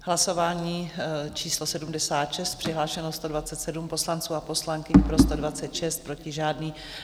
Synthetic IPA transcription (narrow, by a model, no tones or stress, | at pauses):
ɦlaso̞vaːɲiːt͡ʃiːslo̞sɛdumdɛsaːt̪ʃɛst̪̚pr̝̥ɪɦlaːʃɛnost̪o̞dvat͡sɛt̪sɛdumpo̞slant͡suːapo̞slaŋkɪɲpɾo̞st̪odvatt͡sɛt̪ʃɛst̪̚pɾo̞cɪʒaːdniː